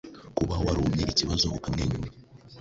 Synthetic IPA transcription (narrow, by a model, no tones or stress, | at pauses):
kuβahowaɾoːmɲeʔiciβazoakokamŋeːɲuma